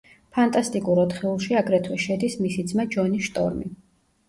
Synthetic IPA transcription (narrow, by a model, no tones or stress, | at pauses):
pʰant̪ʼast̪ʼikʼuɾɔt̪χɛulˠʃiaɡɾɛt̪ʰwɛʃɛd̪ismisid̪zmad͡ʒɔniʃt̪ʼɔ̰ɾmi